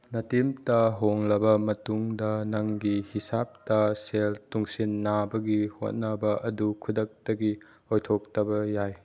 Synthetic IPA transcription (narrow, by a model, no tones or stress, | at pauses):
nɐtimtɐɦoŋlɐbɐmɐtuŋdɐnɐŋɡihisap̚tɐseltuŋsinːabɐɡiho̰t̚nɐbɐʔɐdukʰudɐk̚tɐɡi | ojtʰok̚tɐbɐjaj